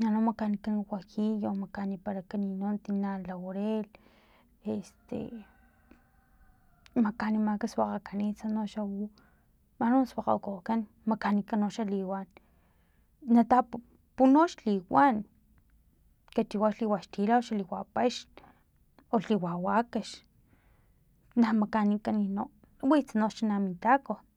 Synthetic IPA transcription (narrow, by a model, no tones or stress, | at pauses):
nanomakanikanwajijomakanipaɾakaninont̪inalawoɾel | est̪ḛ | makanimakaswaqakanisanoʃawu | manoswaqa̰kokan | makanikanoʃaliwan | at̪a | punoʃliwan | kat͡ʃiwaʃliwaʃt̪ilaoʃaliwapaʃ | oɬiwawakaʃ | namakanikaninoʔ | wit͡sanoʃanamit̪ako